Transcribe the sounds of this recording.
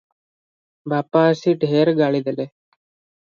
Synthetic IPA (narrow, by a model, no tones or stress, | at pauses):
baːpaːsiɖʱɦeːɾɡaɭid̪ele